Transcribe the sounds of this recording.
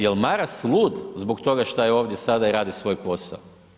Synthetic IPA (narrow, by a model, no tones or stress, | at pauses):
jelmaɾaslˠuːd̪zbokt̪o̞ɡaʃt̪ajeo̞ːʋd̪jesad̪aiɾaːd̪isʋo̞ːjpo̞sa̰o